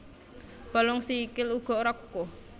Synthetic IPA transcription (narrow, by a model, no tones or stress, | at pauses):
b̥a̤lɔŋsikɪluɡ̥ɔ̤oɾakuko